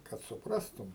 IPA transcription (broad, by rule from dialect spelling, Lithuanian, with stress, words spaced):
kɐt sʊˈprɑːstʊm